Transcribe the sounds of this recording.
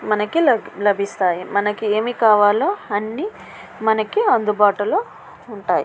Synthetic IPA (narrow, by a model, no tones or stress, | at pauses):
mɐnɐkilɐlɐbʱist̪aːjimɐnɐkie̞ːmiːkaːʋaːloːɐnːiː | mɐnɐkiɐnd̪ubaːʈulo̞ː | uɳʈaːjḭ